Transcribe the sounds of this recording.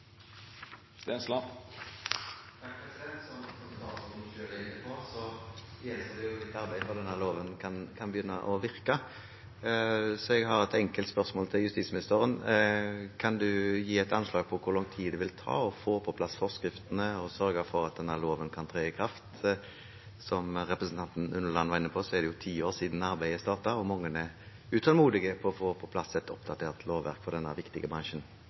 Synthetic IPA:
st̪enslɑ | ɛpʰɾɛsɪd̪ɛnt̪sɔmsɔmst̪ɑ̰ːt̪sɔʃøːɾd̪ɛɪnːəpʰɔsɔjɛnsəd̪ɛjʊd̪ɪt̪ːɑɾbæɪfɔd̪ɛnːəʁloːʋənkʰɑnkʰɑnbəjʏnːəʔɔʋɪʁkə | sɔɛɡɦɑʁɛt̪ɛŋkəlt̪spœʁsmoːlt̪ʰɪljʉst̪iːsmɪnɪst̪əʁən | kʰɑnd̪ʉjiːɛɪt̪ɑnslɑːɡ̚pʰɔkʰʊɾlɔŋt̪ʰiːd̪əʋɪlt̪ʰɑ̰ːɔfoːpʰɔpʰlɑsfɔʁskɾɪft̪ənəɔsœɾɡəfɔɾɑt̪̚d̪ɛnːæʁloːʋənkʰɑnt̪ʰʁeːəkʰɾɑft̪ | sɔmʁɛpɾəsn̩t̪ɑnt̪n̩ʉnːəʁlɑnːʋɑʁɪnːəpʰɔsɔɛʁd̪ɛjʊt̪ʰiːoːʁsiːd̪n̩ɑɾbæɪəst̪ɑːt̪ɑɔmɑŋːənɛ | ʉt̪ʰɑlmuːd̪ɪɡəpʰɔfoːpʰɔpʰlɑsɛt̪ɔpd̪ɑt̪ʰeːʁt̪ʰloːʋːæ̰ʁkfɔʁd̪ɛnːə̰ʋɪkt̪ɪɡəbʁɑŋʃən

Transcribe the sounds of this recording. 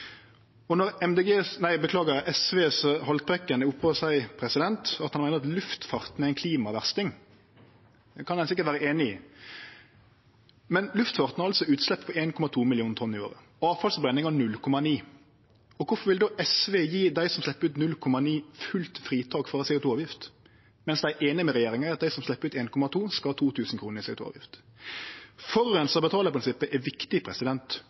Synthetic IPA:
ɔnɔɾɛmd̪eːɡeːnæɪbəkʰlɑːɡəʔɛsʋeːsɔhɔlt̪̚bʁɛkːənəʊpːoːsæɪpʰɾɛsɪd̪ɛnt̪ɑt̪hɑnæɪnəɾɑt̪lʉft̪fɑʁt̪næɾɪnkʰliːmɑʋæʁst̪ɪŋ | kʰɑnɛnsɪkət̪ʋæːɾəeːnɪi | mɛnlʉft̪fɑʁt̪n̩ɑɾɑlsɔʉːt̪slɛpːpʰɔeːnkʰɔmɑt̪ʰuːmɪlɪuːnt̪ʰɔnːɪo̰ːɾə̰ | ɑːfɑlsbɾɛnːɪŋɑnʉlkʰɔmɑniː | ɔkʰʊfɔɾʋɪld̪oːʔɛsʋejiːd̪æɪsɔmslɛpːəɾʉːt̪nʉlkʰɔmɑniːfʉlt̪fɾiːt̪ʰɑːkfɔɾɑsɛʊt̪ʰuːɑːʋjɪft̪ | mɛnsd̪æɪʔeːnɪmɛɾɛjeːɾɪŋɛɾɑt̪̚d̪æɪsɔmslɛpːəɾʉːt̪eːnkʰɔmɑt̪ʰuːskɑhɑːt̪ʰuːt̪ʰʉːsn̩kʰɾuːnəɾɪsɛʊt̪ṵːɑ̰ʋjɪ̰ft̪ | fɔɾʉɾɛnsəɔbət̪ʰɑːləɾpʰɾɪnsɪpːəʔɛʋɪkt̪ɪpʰɾɛsɪd̪ɛnt̪

